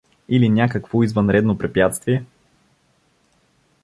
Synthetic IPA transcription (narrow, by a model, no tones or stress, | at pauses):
ilinʲjakəkvoizvənɾɛd̪nopɾɛpjat̪st̪viɛ